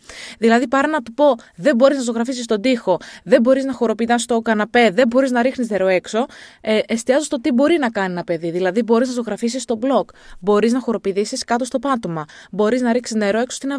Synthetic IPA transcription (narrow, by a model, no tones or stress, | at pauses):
ðilɐðipɐɾɐnɐt̪upo̞ðe̞mbo̞ɾiznɐs̬oɣɾɐfisist̪o̞d̪ixo̞ðe̞mbo̞ɾiznɐxo̞ɾo̞pit̪ɐnst̪o̞kɐnɐpeðe̞mbo̞ɾiznɐɾixnizne̞ɾo̞e̞kso̞eʔest̪iɐzost̪o̞t̪ibo̞ɾinɐkɐnienɐpe̞ðiðilɐðibo̞ɾiznɐs̬oɣɾɐfisist̪o̞blo̞kbo̞ɾiznɐxo̞ɾo̞piðisiskɐt̪ost̪o̞pɐt̪o̞mɐbo̞ɾiznɐɾiksizne̞ɾo̞e̞ksost̪inɐ